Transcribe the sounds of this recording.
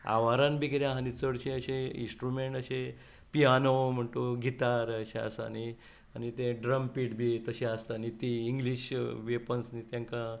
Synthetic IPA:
a̰ʋaɾãnbʱiɡiɾjãɦanit͡səɽɕẽəɕẽḭ̃nsʈɾumeɳʈəɕe | piɦanəwm̤əɳʈ̪oɡʱit̪aɾəɕẽa̰sa̰ni | anit̪ẽɖɾəmpiʈbʱit̪əɕẽast̪anit̪iːŋɡliɕʋepənsnit̪jãŋka

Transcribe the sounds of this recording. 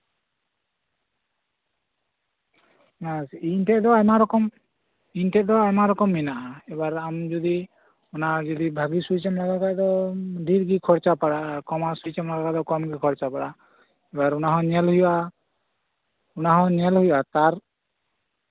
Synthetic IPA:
nasinʈɛd̪ɔamaɾɔkɔm | inʈɛʔd̪ɔamaɾɔkɔmːinaʔaɛbaɾamd͡ʒod̪i | ɔnad͡ʒɔd̪ibʱaɡisut͡ʃamlaɡakad̪ɔɖʱiɾɡikʰɔɾt͡ʃapaɽakɔmasujt͡ʃamlaɡakad̪ɔkɔmɡikʰɔɾt͡ʃapaɽa | ɛbaɾunaɦɔ̃ɲɛlɦuja | unaɦɔ̃ɲɛlɦujat̪aɾ

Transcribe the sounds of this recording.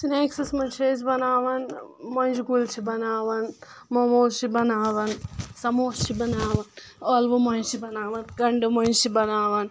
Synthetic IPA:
sineːksɐsmɐnt͡ʃʰeːzbɐnaːʋɐnmɐnd͡ʒiɡult͡ʃʰibɐnaːʋɐn | mɐmoːt͡ʃibɐnaːʋɐnsɐmoːst͡ʃʰibɐnaːʋɐn | aːlʋomɐnt͡ʃibɐnaːʋɐnɡɐɳɖɨmɐnd͡ʒt͡ʃibɐnaːʋɐn

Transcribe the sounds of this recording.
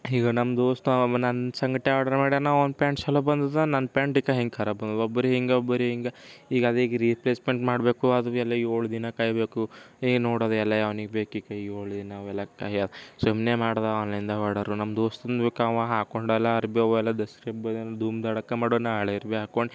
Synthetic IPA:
ɦiːɡɐnɐmd̪oːsʈ̪unɐnsɐŋɡɐʈ̪ːeaːɽɐɾmaːɽjɐnaɐnpaːɳʈsɐlobɐnd̪ud̪anɐnpaːɳʈikɐɦeŋɡkʰɐɾɐbɐnd̪ud̪ɔbːɐɾiɦeŋɡeobːɐɾiɦeŋɡeiːɡɐd̪eiːɡɐɾipleːsmeɳʈmaːɽbeːkuɐd̪uɛlːɐoːɭud̪inɐkɐjbeːku | iːɡnoːɽoːd̪uɛlːɐjaʋɐniɡbeːkuiːɡɐiɡoːɭud̪inɐʋɛlːɐkɐjɐd̪sumneːmaːɽd̪ɐɐlind̪ɐɦɐɽɐɾunɐmd̪oːst̪und̪ʋekaʋɐɦaːkoɳɖɛlːɐɐɾbiɔʋɛlːɐd̪ɐsɾebɐd̪nd̪ʱuːmd̪ɐɽɐkːemaːɽonaaɭɐɐɾbiɦaːkoɳɖi

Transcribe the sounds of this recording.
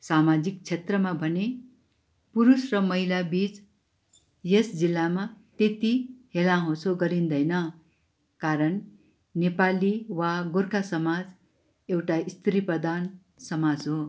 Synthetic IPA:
samad͡zik̚t͡sʰet̪rʌmabʱʌne | puɾusrʌmʌɦilabit͡s | jesd͡zilːamat̪et̪ihelãɦõt͡sʰoɡʌɾind̪ʌjnʌ | kaɾʌn | nepaliwaɡorkʰasʌmad͡z | ewʈaist̪ʰɾiprʌd̪an | sʌmad͡zɦo

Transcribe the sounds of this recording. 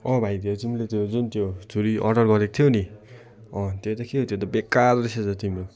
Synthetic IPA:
ʌ̃bʱajd̪et̪imlet̪jod͡zunt̪jot͡sʰuɾiʔʌ̰ɖʌrɡʌɾekot̪ʰjoni | ʌ̃t̪et̪ʌkʰet̪jot̪ʌbekːadɾiset͡sʌt̪imo

